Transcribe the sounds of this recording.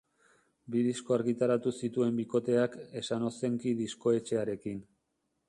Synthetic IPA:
biðisko̞aɾɣit̪aɾat̪usit̪ue̞mbiko̞t̪e̞ake̞sano̞se̞ŋkiðisko̞e̞t͡ʃe̞aɾe̞kin

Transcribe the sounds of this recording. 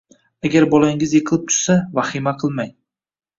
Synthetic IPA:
aɡʲaɾbɒlaɪŋɪzjeqʰɨlˠɪp̚t̪ʰʊ̥ɾsavaχɪmaqʰɨlˠmaj

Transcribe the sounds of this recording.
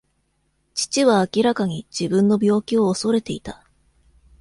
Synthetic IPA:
t͡ɕi̥t͡ɕiβaːkʲiɾakaɲ̟id͡ʑibɯ̟̃nːo̞bʲjo̞ːkʲio̞ːso̞ɾe̞t̪e̞it̪a

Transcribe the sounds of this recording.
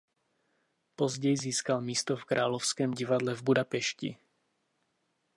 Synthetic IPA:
pɔzɟɛjziːskalmiːst̪ɔfkɾʔaːlɔʊskɛːmɟivad̪lɛvbud̪apɛʃcḭ

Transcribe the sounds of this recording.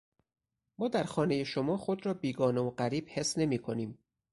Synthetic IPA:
mɒːd̪æɾxɒːne̞je̞ʃomɒːxo̞d̪ɾɒːbiːɡɒːneoɢæɾiːb̥he̞sne̞miːkʰo̞niːm

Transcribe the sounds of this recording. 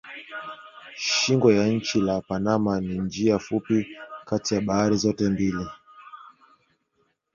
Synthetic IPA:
ʃiŋɡwɔjaɲ̩t͡ʃilapanamanind͡ʒiafupikatijaɓahaɾizɔtɛmbili

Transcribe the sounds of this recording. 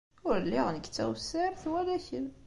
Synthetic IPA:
ʊɾlːiʁnəkːt͡sːæ̰wsːəɾθwælæçən

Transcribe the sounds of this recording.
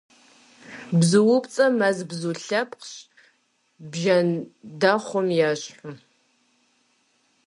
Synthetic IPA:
bzɨwʊpt͡sʼɐmɐzbzuɬɐpʰqɕ | bʒɐndɐχʷɔmjaːɕħʊ

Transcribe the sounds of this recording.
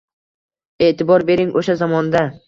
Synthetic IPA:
e̞ʔt̪ʰɪbɒɾbe̞ɾɪŋʔoʃazɒmɒnd̪a

